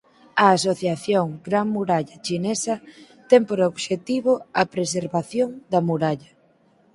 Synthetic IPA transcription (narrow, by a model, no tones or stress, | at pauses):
ɐːsoθjaθjoŋɡɾaŋmuɾaʎɐt͡ʃinesɐ | t̪ɛŋpoɾoβʃet̪iβoɐpɾes̬eɾβaθjoŋd̪ɐmuɾaʎɐ